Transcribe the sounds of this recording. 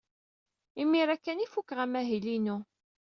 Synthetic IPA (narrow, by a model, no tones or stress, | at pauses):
imːiɾækːænifukːʁæmæɦilinu